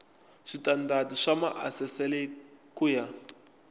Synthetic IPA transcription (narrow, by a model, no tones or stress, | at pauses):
ʂitʼandatiʂamaʔasɛsɛlɛkʼuja